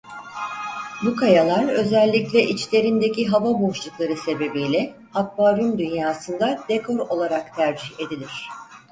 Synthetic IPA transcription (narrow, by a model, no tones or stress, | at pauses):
bukʰajalˠaɾø̞zɛlʲːiclʲɛʔit͡ʃlʲe̞ɾind̪e̞ciɦavabo̞ʃlˠuklˠaɾɯse̞be̞bijlʲɛ | ak̚baːɾynd̪ynjaːsɯnd̪ad̪̥ekʰo̞ɾo̞lˠaɾakt̪ʰæɾd͡ʒihe̞d̪ilʲiɾ̝̥